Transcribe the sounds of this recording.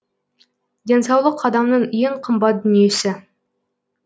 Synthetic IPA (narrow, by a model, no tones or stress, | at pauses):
d̪ʲe̞nsɑwlˠəqʰːɑd̪ɑmnəɴjeɴqʰəmbɑt̪̚d̪ʏnije̞sɪ